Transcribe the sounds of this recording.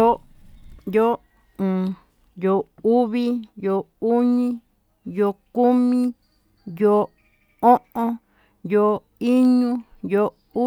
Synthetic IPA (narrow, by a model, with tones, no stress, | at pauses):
o˦ | jo˦ | ũ˨ | jo˨u˦βi˦jo˧˨ | u˦ɲĩ˦ | jo˧ku˦mĩ˦ | jo˧ | õ˦ʔõ˧ | jo˧˨ | i˦ɲũ˦jo˧ | u˦